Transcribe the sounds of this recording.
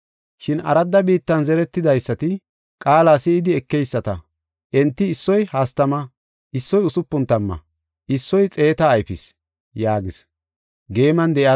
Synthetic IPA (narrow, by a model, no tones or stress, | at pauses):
ʃɪnɐ̰ɾɐd̪ːɐbiːt̪ːɐnzɛɾɛt̪ːɪd̪ɐjsːɐt̪ɪ | kʼaːlaːsɪːd̪ɪɛkːɛjsːɐt̪ɐ | ʔɛnt̪ːɪːsːɔjhaːst̪ɐmɐ | ʔɪsːɔjʊsʊpːʊnt̪ːɐmːɐ̰ | ʔɪsːɔjt͡sʼe̞ːt̪ɐːjfɪs | jaːɡɪs | ɡe̞ːmɐnd̪ɛʔja